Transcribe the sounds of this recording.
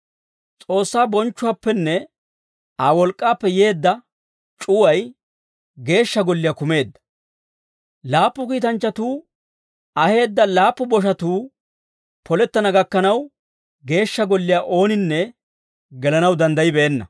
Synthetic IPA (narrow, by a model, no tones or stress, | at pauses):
t͡sʼo̞ːsːaːbɔnt͡ʃːʊwaːpːɛnːɛ | aːwɔlkʼːaːpːɛje̞ːd̪ːɐ | t͡ʃʼʊwɐj | ɡe̞ːʃːɐɡɔlːɪjaːkʊme̞ːd̪ːɐ̥ | laːpːʊkiːt̪ɐnt͡ʃːɐt̪uː | ɐhe̞ːd̪ːɐlaːpːʊbɔʃ̬ɐt̪uː | pʰɔlɛt̪ːɐnɐɡɐkːɐnɐw | ɡe̞ːʃːɐɡɔlːɪjaːʔo̞ːnɪnːɛ | ɡɛlɐnɐwd̪ɐnd̪ɐjɪbɛːnːɐ̰